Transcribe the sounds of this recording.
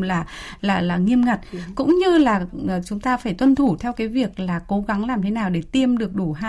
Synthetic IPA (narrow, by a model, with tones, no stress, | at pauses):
laː˨˩laː˨˩laː˨˩ŋi˧əmŋa˨˩t̚kʊ̰˧˥ŋ͡mɲɨ˧laː˨˩ʔt͡ɕʊ˨˦ŋ͡mt̪aː˧faː˧˩jt̪wə˧nt̪ʰu˧˩t̪ʰɛ˧wkaː˨˦jvi˨˩ək̚laː˨˩ko˨˦ɣa˨˦ŋlaː˨˩mt̪ʰe˨˦naː˨˩wɗe˧˩t̪i˧əmɗɨ˨˩ək̚ɗu˧˩haː˧